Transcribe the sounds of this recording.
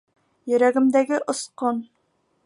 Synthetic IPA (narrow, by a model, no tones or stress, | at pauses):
jyɾɛɡʲɪmd̪ɛɡʲɪʔosqon